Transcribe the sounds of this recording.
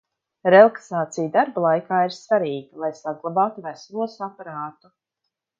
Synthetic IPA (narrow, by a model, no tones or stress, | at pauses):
ɾɛlˠaksaːt̪sijd̪aɾbalˠajkaːiɾsvaɾiːɡalˠajsaɡlˠabaːt̪uvaɾsavuɔsapaɾaːt̪u